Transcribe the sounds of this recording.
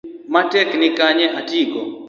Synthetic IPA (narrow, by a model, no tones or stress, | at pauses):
matɛknɪkaɲɛʔatiɡɔ